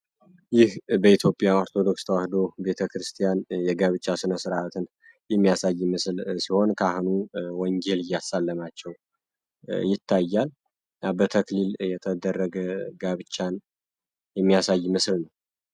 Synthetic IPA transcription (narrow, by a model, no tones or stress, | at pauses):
jɪhbəit̪ʰjo̞pʼjaoɾt̪ʰo̞d̪o̞kst̪ʰəwahd̪o̞be̞t̪ʰəkɾɨst̪ʰijanjɛɡaβɨt͡ʃʼːasɨnəsɨɾaat̪ʰɨn | jɛmːijasajːmɨslsiho̞nkʰahɨnuwɔɲd͡ʒelɨjːasalːəmat͡ʃːɛw | jɪt̪ʰːajːal | abət̪ʰəkliljɛt̪ʰəd̪ərːəɡəɡaβɨt͡ʃʼːan | jɛmːijasajːmɨslnəw